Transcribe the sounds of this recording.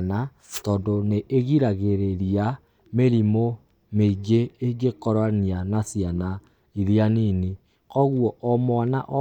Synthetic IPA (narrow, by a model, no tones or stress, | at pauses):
na | tɔdoneʔːɣiɾaɣeɾeɾia | meɾimo | meɡeːɡekɔɾanianasiana | iðianini | kɔɣwɔʔɔmwanaʔɔ